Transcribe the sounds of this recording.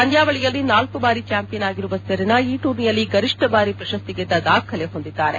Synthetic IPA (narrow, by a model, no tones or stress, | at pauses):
ɐnd̪ʱjaːʋɐɭijɐlːinaːlkubaːɾit͡ʃaːmpijɐnaːɡiɾuʋɐsɐɾinɐiːʈuːɾnijɐlːiɡɐɾiʂʈɐbaːɾipɾɐʃɐst̪iɡɛd̪ːɐd̪aːkʰɐleɦo̞nd̪id̪ːaːɾe